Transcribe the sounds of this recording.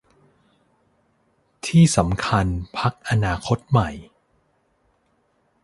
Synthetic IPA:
t̪ʰiː˥˩sa˩˦mkʰa˧npʰa˦˥k̚ʔa˧naː˧kʰo˦˥t̪̚ma˨˩j

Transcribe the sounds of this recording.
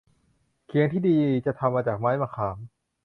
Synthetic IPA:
kʰi˩˦əŋt̪ʰiː˥˩diː˧t͡ɕa˨˩t̪ʰa˧mːaː˧t͡ɕaː˨˩k̚maː˦˥jmaː˧kʰaː˩˦ŋ

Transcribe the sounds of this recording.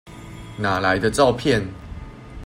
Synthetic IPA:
na˨˩la˨˦ɪd̪ə˧t͡sɑ˥˧ʊpʰjɛ˥˨n

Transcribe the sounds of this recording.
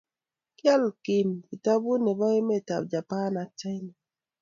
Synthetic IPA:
kjɛ˦lki˨mki˨ta˦bu˦ne˨ba˦e˦me˦˨ta̰˨b̚d͡ʒa˨pa˦na˨tɛ˦n˨

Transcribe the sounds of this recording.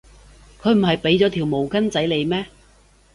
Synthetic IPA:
kʰɵ˨˧ɥm̩˨˩ɦɐ˨jpe˨˧˥jt͡sɔː˨˥t̪ʰiː˨˩wmo˨˩wkɐ˥nt͡sɐ˨˥jle˨˧jmɛː˥

